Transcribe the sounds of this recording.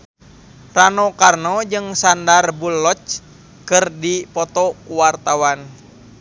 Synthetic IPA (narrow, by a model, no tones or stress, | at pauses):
ranɔkarnɔd͡ʒɨŋsandarbulːɔt͡ʃ | kɨrdipɔt̪ɔkuwart̪awan